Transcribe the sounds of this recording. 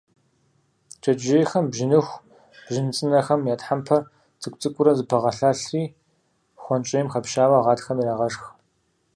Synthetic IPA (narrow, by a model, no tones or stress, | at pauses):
t͡ʃʼɐd͡ʒejxɐmbʒɪnɨxʷ | b̥ʒɪnɨt͡sʼɨnɐxɐmjaːtħampʰɐr | t͡sʰɨkʷʼt͡sʼɨkʷʼʊɾɐzɨpʰɐʁɐɬaːɬriː | xʷɔnt͡ʃʼɪjmxɐpʃaːwɐʁɑːtxɐmiraːʁɐʂx